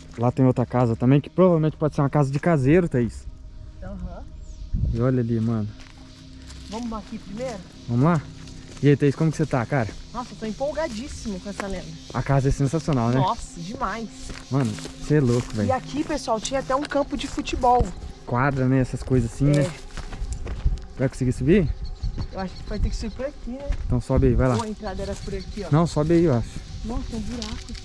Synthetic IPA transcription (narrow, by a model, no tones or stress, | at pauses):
lat̪ẽj̃owt̪ɾɐkazɐt̪ɐ̃mbẽj̃kɪ̥pɾovavelmẽtt͡ʃɪ̥pɔd͡ʒɪseɾũɐkazɐd͡ʒɪkazeɾʊt̪ẽisʊ̥t̪ɐ̃wɐ | ɪɔʎɐalimɐ̃nʊ | vɐ̃mʊzlaakipɾimejɾʊ | vɐ̃mʊla | ɪejt̪ẽisʊ̥kõmʊkɪ̥set̪akaɾɐnɔsɐet̪oĩpowɡad͡ʒisimʊkõɛsɐlɛ̃nd̪ɐɐ̰kazɐɛsẽsasionawnɛɔsɐd͡ʒɪmajsmɐ̃nʊseɛlokʊvɛiakipesuawt͡ʃĩɲɐat̪ɛũkɐ̃pʊd͡ʒɪfut͡ʃibɔwkwad̪ɾɐnɛɛsɐskojzɐzsĩnɛ | vajkõsɪɡisubi | ewaʃʊ̥kɪvajt̪ekɪ̥subiɾpʊɾakinɛ̃ẽt̪ɐ̃w̃sɔbɪaivajlaẽnt̪ɾad̪ɐɛɾɐpʊɾakiɔnɐ̃w̃sɔbɪaiewaʃʊ̥nɔ̃st̪ɐ̃w̃buɾakʊ